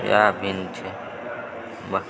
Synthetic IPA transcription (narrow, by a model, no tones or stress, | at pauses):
jaːbʱint͡ʃʰe | bɐk